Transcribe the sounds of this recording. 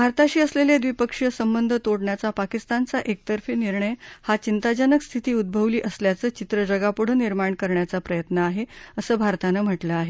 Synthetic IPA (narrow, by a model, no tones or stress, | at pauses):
bʱaɾt̪aɕiːəsleljed̪ʋipəkʂjəsəmbənd̪ʱət̪oɽɳjat͡sapakist̪ant͡saʔek̚t̪əɾfiːniɾɳəjhat͡ɕint̪ad͡ʑənəkst̪ʰit̪iːud̪̚bʱəʋliːʔəsljat͡səːt͡ɕit̪ɾəd͡ʑəɡapuɽ̤əniɾmaɳkəɾɳjat͡sapɾəjət̪nəaɦeəsəːbʱaɾt̪anəm̤əʈləaɦe